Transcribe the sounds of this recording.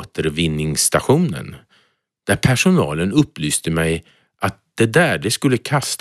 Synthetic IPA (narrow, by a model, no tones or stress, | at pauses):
t̪əɾvɪnːɪŋst̪aɧuːnə̰n | d̪̥æɾpʰæʂʊnɑ̰ːlənɵpːlyːst̪əmɛj | ʔat̪̚d̪̥ɛd̪æːɖɛskɵlːəkʰast̪